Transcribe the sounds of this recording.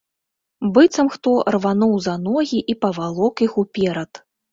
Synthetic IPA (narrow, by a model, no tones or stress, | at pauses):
bɨt̪sɐmxt̪ɔrvanɔwzanɔɣʲiʔipɐvalˠɔkixupʲɛɾɐt̪